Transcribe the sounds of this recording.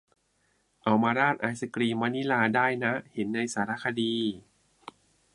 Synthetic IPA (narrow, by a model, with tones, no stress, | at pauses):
ʔa˧˩wmaː˧ɾaː˥˩t̪̚ʔaː˧˩jsa˧kɾiː˧ma˧ni˦˥laː˧daː˥˩jna˦˥he˩˦nːa˧jsaː˩˦ɾa˦˥˩kʰa˧diː˧